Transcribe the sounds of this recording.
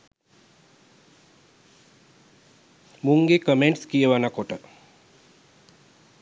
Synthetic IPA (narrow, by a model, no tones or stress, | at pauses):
muŋɡekəmeɳʈskijəʋanakoʈə